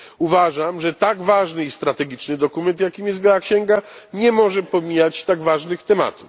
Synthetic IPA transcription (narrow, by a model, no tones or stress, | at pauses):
uvaʐamʐɛt̪aɡvaʐnɘist̪ɾat̪ɛɡʲit͡ʂnɘd̪ɔkumɛnt̪jakʲimjɛsbjawakɕɛŋɡaɲɛmɔʐɛpɔmʲijat͡ɕt̪aɡvaʐnɘxt̪ɛma̰t̪uf